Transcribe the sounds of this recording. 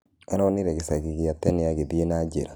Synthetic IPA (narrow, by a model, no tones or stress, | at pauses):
anoniɾeɡisaɡiɡijatːɛnijaɡebienad͡ʒeɾa